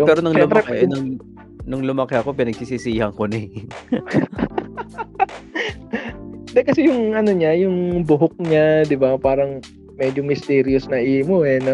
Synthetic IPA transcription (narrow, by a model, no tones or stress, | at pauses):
pɛːɾonɐŋlɛʊpɾɛnɐ | nɐŋlʊmɐkɪɐko̞pɪnɐɡ̚sisisiːhɐŋkonɛ | d̪ɛkɐsɛjʊŋʔɐnoɲajʊŋbʊɦok̚ɲad̪ɪbapaːɾɐŋ | mɛd͡ʒomɪst̪ɛːɾɪosnɐʔiːmoʔɛnɐ